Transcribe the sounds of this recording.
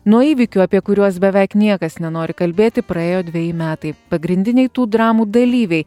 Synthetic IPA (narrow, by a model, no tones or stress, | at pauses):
nuɔiːʋʲɪkʲuɐpʲiɛkʊɾʲuɔs̬bʲɛʋʲɛɪknʲiɛkɐsnʲɛnoːɾʲɪkɐlʲbʲeːt̪ʲɪpɾɐeːjoːd̪ʲʋʲɛjɪmʲæːt̪ɐɪpɐɡɾʲɪnʲd̪ʲɪnʲɛɪt̪uːd̪ɾɑːmuːd̪ɐlʲiːʋʲɛɪ